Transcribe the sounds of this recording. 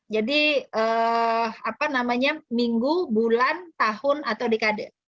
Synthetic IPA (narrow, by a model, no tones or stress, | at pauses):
d͡ʒadiəːapanamaɲamiŋɡubulant̪ahʊnat̪awdikadɛ̰